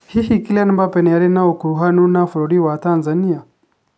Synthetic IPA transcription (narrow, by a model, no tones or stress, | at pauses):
hihikilanmbapɛnɛaɾɛnaukuɦanunaflɔɾiwatanzania